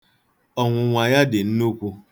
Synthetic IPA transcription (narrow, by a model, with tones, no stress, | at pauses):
ɔ˨ŋʷʊ˨ŋʷa˨ja˦dɪ˨n̩˦nu˦kʷu˦